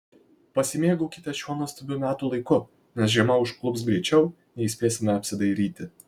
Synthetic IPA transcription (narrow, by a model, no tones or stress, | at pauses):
pɐsʲɪmʲeːɡʊkʲɪt̪ɐʃʲuɔnoɔst̪ɐbʲʊmʲæːt̪uːlˠɐɪkʊ | nʲɛsʒʲiɛmɐʊʃklˠʊpsɡɾʲɛt͡ʃʲɛʊ | nʲɛɪsʲpʲeːsʲɪmʲɛɐpʲsʲɪd̪ɐɪɾʲiːt̪ʲɪ